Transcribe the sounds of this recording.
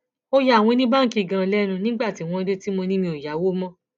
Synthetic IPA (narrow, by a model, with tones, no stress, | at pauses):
o˧ja˧˦˨w̃ɔ̃˧nĩ˦ba˦ŋ̩˦˨ki˧˨ɡã˧lɛ˦nũ˧nĩ˦ɡ͡ba˦˨ti˨˦w̃ɔ̃˧de˦ti˦mo˧nĩ˦mĩ˧o˨ja˨˦wo˦mɔ̃˦